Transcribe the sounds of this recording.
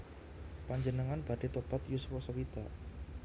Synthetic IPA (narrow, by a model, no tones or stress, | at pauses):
paɲd͡ʒənəŋanb̥a̤ɖ̥e̤t̪ob̥at̪juswɔsɔwit̪a